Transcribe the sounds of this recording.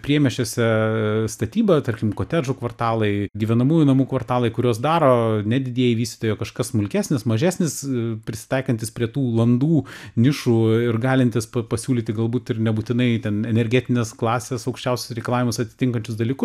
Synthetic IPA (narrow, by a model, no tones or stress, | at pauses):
pʲiɛmʲɛʃʲoːsʲɛst̪ɐt̪ʲiːbɐt̪ɐrʲkʲɪmkoːt̪ʲæʒʊkʋɐrt̪ɑːlˠɐɪɡʲiʋʲɛnɐmuːjunɐmuːkʋɐrt̪ɑːlˠɐɪkʊɾʲoːsd̪ɑːɾoːnʲɛd̪ʲɪd̪ʲiɛjɪʋʲiːsʲt̪ʲɪ̥t̪oːjoːkɐʃkɐsmʊlʲkʲæːsʲnʲɪsmɐʒʲæːsʲnʲɪspʲɾʲɪsʲɪ̥t̪ɐɪkɐnʲt̪ʲɪspʲɾʲiɛt̪uːlˠɐnd̪uːnʲɪʃuɪrɡɑːlʲɪnʲt̪ʲɪspɐpɐsʲuːlʲiːt̪ʲɪɡɐlˠbuːt̪ɪrnʲɛbuːt̪ʲɪnɐɪt̪ʲɛnɛnʲɛɾʲɡʲɛːt̪ʲɪnʲeːsklˠɑːsʲeːsɐʊkʃʲt͡ʃʲɛʊsʲʊ̥sɾʲɛɪkɐlˠɑːʋʲɪmʊsɐt̪ʲɪ̥t̪ʲɪŋkɐnʲt͡ʃʲʊs̬d̪ɐlʲiːkʊs